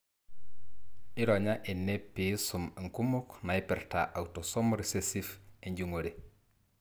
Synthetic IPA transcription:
iɾoɲaʔinːepːisumŋkumuknaipiɾta̰ʔawtosomɾisesifeɲɟuŋoɾe

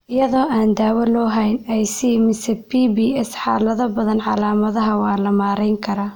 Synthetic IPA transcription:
ʔɪjɐðɔːʔaːnd̪aːwɐlɔːɦɛjnɛjsimɪsɛpʰiːbiːɛsħɑːlɐðɐbɐðɐnʕɑlaːmɐðɐɦɐwɑːlɐmaːɾɛjŋkʰɐɾaː

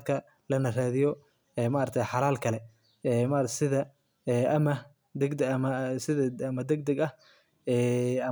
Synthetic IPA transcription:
d̪̚kʰɐ | lɐnɐraːðɪjɔ | ɛːmaʔɐrt̪ʰɛjħɑlaːlkʰɐlɛ | ɛːmɐrsɪðɐ | ɛːʔɐmɐ | d̪ɛɡ̪ɐmɐsɪðɐɐmɐd̪ɛɡ̚d̪ɛɡɐh | ɛːɐ

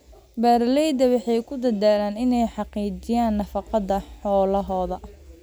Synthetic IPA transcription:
baːɾlɛjd̪ɐwɑħɑjkʰʊd̪ɐðaːlaːnɪnɛjħɑqiːt͡ʃɪjaːnːɐfɑqɑðɐħɔːlɐɦɔːðɐ

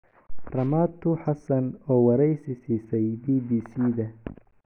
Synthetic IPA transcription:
rɐmaːt̪ʰʊħɑsɐnɔːwɐɾɛjsɪsiːsɛjbiːbiːsiːðɐ

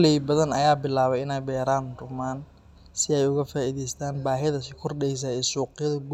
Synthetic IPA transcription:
lɛjbɐðɐnɐ̰jaːbɪlaːβɛjɪnɛjbɛːɾaːnrʊmaːn | sɪɛjʊɣɐfaːʔiːðɛjst̪ʰaːnbaːɦɪðɐsɪkʰʊrɗɛjs̬ɐɛsuːqɪjɐðɐɡ

